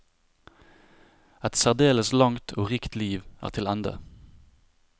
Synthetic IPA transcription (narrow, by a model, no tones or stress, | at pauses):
ɛt̪sæʁd̪eːləslɑŋt̪ʰoːʁiːkt̪liːʋæ̰ːʁt̪ʰɪlɛnd̪ə̰